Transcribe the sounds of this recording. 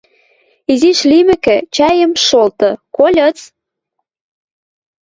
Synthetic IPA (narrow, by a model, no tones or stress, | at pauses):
iziʃlimɘ̆kɘ̆t͡ɕɑjə̆mʃolt̪ɤ̆kolʲɤ̆t͡s